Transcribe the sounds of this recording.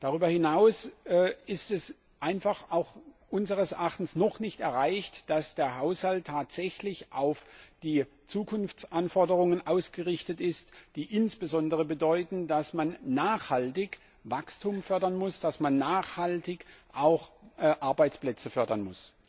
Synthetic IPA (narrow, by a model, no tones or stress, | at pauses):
d̥aʁyːbɐhɪnaʊs | ɪstɛs | ʔaɪnfaχaʊxʔʊnzəʁəsɛɐʔaχtn̩snɔχnɪçtɛɐʁaɪçtd̥asd̥eːɐɦaʊshaltʰːaːtz̥ɛçlɪçʔaʊfd̥iː | t͡suːkʰʊnft͡sʔanfɔɐdəʁʊŋənʔaʊsɡ̥əʁɪçtətɪstd̥iːʔɪnsb̥əzɔndəʁəbədɔʏtn̩dasmanːaːχhaltɪç | vakstʰumfœɐdɐnmʊsd̥asmanːaːχhaltɪçʔaʊxʔʔaɐbaɪt͡splɛt͡səfœɐdɐnmʊs